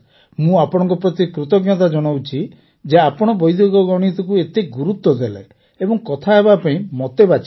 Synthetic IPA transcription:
mũapɔɽ̃ɔŋkɔpɾɔt̪ikɾut̪ɔɡjat̪̬ad͡ʒɔɽ̃awt͡ʃʰi | d͡ʒeapɔɽ̃ɔbɔjd̪ʱjoɡɔɡɔɽ̃it̪ɔkuet̪eɡuɾut̪ːɔd̪elḛ | ebɔŋkɔt̪ʰaɦebapaĩmɔt̪ebat͡ʃʰi̥

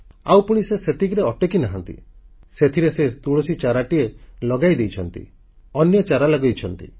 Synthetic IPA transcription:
awpuɽ̃iseset̪ikɾeɔʈekinaɦant̪ḭset̪ʰiɾesed̪uɭosit͡ʃaɾaʈielɔɡajd̪ejt͡ʃʰɔnt̪ḭ | ɔnjɔt͡ʃaɾalɔɡɔjt͡ʃʰɔnt̪ḭ

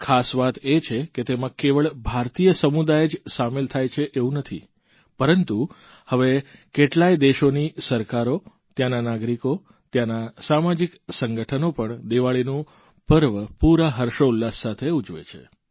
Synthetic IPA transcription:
kʰasʋat̪et͡ʃʰeket̪emãkeʋəɭbʱaɾt̪ijəsəmud̪ajed͡ʒsamelt̪ʰajt͡ʃʰeʔeʋũnət̪ʰḭ | pəɾənt̪u | həʋekeʈlajd̪eʃonisəɾkaɾo | t̪jananaɡɾiko | t̪janasamad͡ʒiksəŋɡəʈʰənopəɳd̪eʋaɭinũ | pəɾʋəpuɾaɦəɾʃoulːasːat̪ʰeud͡ʒʋḛt͡ʃʰḛ

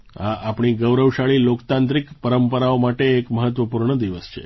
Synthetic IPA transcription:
aːpɳ̃iɡəʋɾəʋʃaɭilokt̪ãnt̪ɾikpəɾəmpəɾaomaʈeːkməɦət̪ʋəpuɾɳəd̪iʋəst͡ʃʰḛ

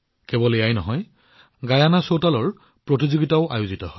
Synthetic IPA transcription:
kɛbɔlejajnɔɦɔj | ɡajanasotalɔɹ | pɹɔtizoɡitaʊʔa̰juzitɔhɔj

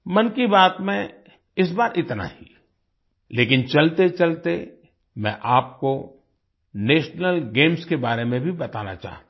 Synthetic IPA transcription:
mɐnkibaːt̪mẽ | ɪs̬baːɾʔɪt̪na̰hi | leːkɪnt͡ʃɐlt̪et͡ʃɐlt̪e | mɛ̰̃ʔaːp̚ko | neːʃnəlɡeːmskebaːɾemẽbʱibɐt̪a̰ːna̰t͡ʃa̰ːɦt̪ː

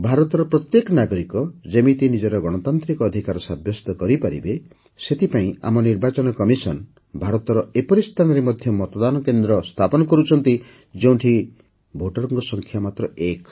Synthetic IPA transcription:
bʱaɾɔt̪ɔɾɔpɾɔt̪jekɔnaɡɔɾikɔd͡ʒemit̪inid͡ʒɔɾɔɡɔɽ̃ɔt̪ant̪ɾikɔːd̪ʱikaɾɔsabjɔst̪ɔkɔɾipaɾḭbe | set̪ʰipaĩa̰mɔniɾbat͡ʃɔnɔkɔmisɔn | bʱaɾɔt̪ɔɾɔepɔɾist̪ʰanɔɾemɔd̪ʱjɔmɔt̪ɔd̪anɔkend̪ɾɔst̪ʰapɔnɔkɔɾut͡ʃʰɔnt̪i | d͡ʒeũʈʰi | bʱoʈɔɾɔŋɡɔsɔŋkʰjamat̪ɾɔek

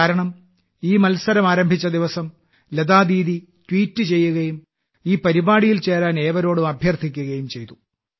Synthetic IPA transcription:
aːɾɐɳɐm | iːmɐlsɐɾɐmaːɾɐmbʱit͡ɕːɐd̪iʋɐsɐm | led̪aːd̪iːði | twiːtːɨt͡ɕe̞jːuɣɐjum | iːpɐɾibaːɽijilt͡ɕe̞ːɾaːne̞ːʋɐɾo̞ːɽumɐbʱjɐrt̪ʰikʲːuɣɐjumt͡ɕe̞jt̪u

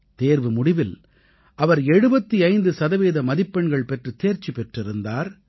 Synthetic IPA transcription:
t̪eːɾʋɯmʊɽɪʋɪl | ʔɐʋɐɾɛɽɯbɐt̪ːiɐɪnd̪ɯsɐðɐʋeːðɐmɐðɪpːɐɳɡɐɭpɛʈrɯt̪eːɾt͡ʃipɛʈrɪɾɯnd̪aːɾ

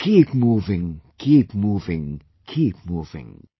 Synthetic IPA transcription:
kʰipmuvɪ̃ŋkʰipmuvɪ̃ŋ | kʰip̚muvɪ̰̃ŋ

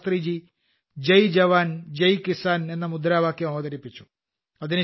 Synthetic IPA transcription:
t̪riːd͡ʑi | d͡ʑɐjd͡ʑɐʋaːnd͡ʑɐjkisaːne̞nːɐmud̪ɾaːʋaːkːjɐmɐʋðɐɾipːit͡ɕːu̥ | ɐðinu

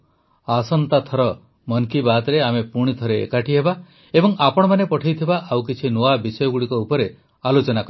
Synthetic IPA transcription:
asɔnt̪at̪ʰɔɾɔ | mɔnkibat̪ɔɾeamepuɽ̃it̪ʰɔɾeḛkaʈiɦeba | ebɔŋapɔɽ̃ɔmanepɔʈʰajt̪ʰibaʔawkit͡ʃʰinoabisɔjɔɡuɽikɔupɔɾe | alot͡ʃɔnakɔ

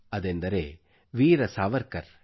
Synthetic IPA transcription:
ɐd̪end̪ɐɾeː | ʋiːɾɐsaːʋɐɾkɐɾ

